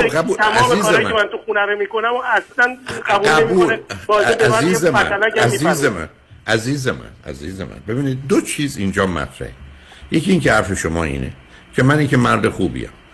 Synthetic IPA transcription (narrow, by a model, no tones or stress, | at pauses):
ɡæbuːlt̪ʰæmæziːzemmemænt̪ʰuχunæɾemikonæmɔæslænɡæbuælebiuːolnebɒzeæmziːzemææ̰nalææziːzemæ̰n | æziːzemæ̰næ̰ziːzḛmæ̰nbe̞biːnid̪̚d̪ot͡ʃʰiːzind͡ʒɒːmæ̰t̪ʰɾæ̰he | jecʰiiːŋcʲʰehæɾfe̞ʃomɒːḭːnḛ | cʰemæniːcʰemæɾd̪exuːbḭæ̰m